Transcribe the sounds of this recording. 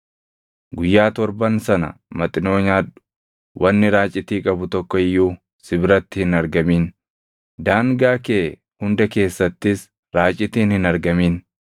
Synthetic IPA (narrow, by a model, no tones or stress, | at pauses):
ɡʊjːaːt̪ɔɾbɐnsɐnɐ̰mɐt̪ʼɪno̞ːɲaːᶑʊ̥ | wʔɐnːɪɾaːt͡ʃʼːɪt̪iːkʼɐbʊt̪ɔkːɔɪjːuː | sɪbɪɾɐt̪ːɪhɪnɐɾɡɐmiːn | d̪aːŋɡaːkeː | hʊnd̪ɐke̞ːsːɐt̪ːɪs | ɾaːt͡ʃʼɪt̪iːnhɪnɐɾɡɐmiːn